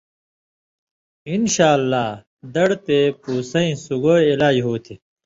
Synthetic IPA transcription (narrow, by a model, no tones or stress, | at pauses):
inɕaːlːaː | d̪ɐɽt̪epuːsɐĩsuɡoːilaːd͡ʑɦoːt̪ʰi